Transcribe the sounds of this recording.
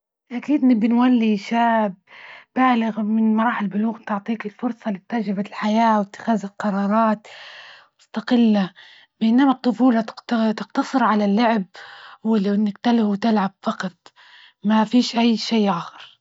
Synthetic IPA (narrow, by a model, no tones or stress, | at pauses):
ʔakiːd̪nɪbːɪnwalːiʃaːbːaːlɪɣmɪnmɑɾˤɑːħɪlbʊluːɣt̪ʊʕt̪ˤiːkɪlfʊɾsˤɑlɪt̪ːad͡ʒɾɪbalħajaːwɪt̪ːɪ̥xaːzɪlqɑɾˤɑːɾˤɑːt̪mʊst̪aqɪlːa | bʔɪnːamat̪ˤːʊfuːlɑt̪ɪqt̪t̪ɪqt̪ɑsˤɨɾʕalalːʊʕɪb̚wɪlnːakt̪alhuwt̪ɪlʕabfɑqɑt̪̚ˤ | mafiːʃʔajːʃeːʔaːxɑɾˤ